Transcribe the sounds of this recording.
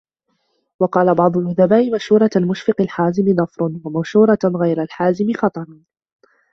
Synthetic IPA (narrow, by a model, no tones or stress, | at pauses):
wɑqɑːlabɑʕd̪ˤʊlʔʊðabaːʔɪmaʃhuːɾˤɑalmʊʃfɪqɪlħaːzɪmɪnɑfɾˤʊnwamaʃuːɾˤɑɣajɾalħaːzɪmɪxɑt̪ˤɑɾˤɑn